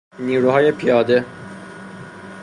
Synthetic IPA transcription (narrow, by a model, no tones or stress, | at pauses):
niːɾuɦɑːjepʰijɑːd̪ɛ